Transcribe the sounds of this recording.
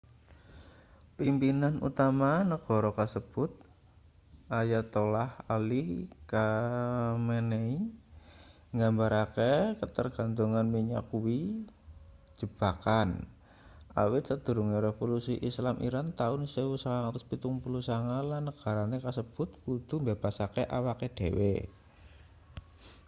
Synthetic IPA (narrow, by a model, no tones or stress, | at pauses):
pimpinanṵt̪amanəɡ̥o̤ɾɔkasəb̥ʊt̪̚ | ʔajat̪olahalika | menei | ŋɡambaɾakekət̪ərɡ̥a̤nt̪uŋanmiɲa̰kuwi | d͡ʒ̥əb̥akan | a̰wɪt̪səd̪̥ṳɾuŋiɾefolusiʔislamʔḭɾant̪aʊnsewusaŋaŋat̪ʊspit̪uŋpulusaŋalanːəɡ̥a̤ɾanekasəb̥ʊt̪̚kud̪̥umbeb̥asakeʔawaked̥ewḛ